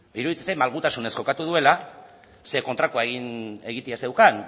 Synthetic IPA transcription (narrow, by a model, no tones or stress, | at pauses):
biɾuðit̪esajmalɣ̞ut̪asune̞sko̞kat̪uð̞ue̞la | se̞ko̞nt̪ɾakoaeɣine̞ɣ̞it̪iase̞wkan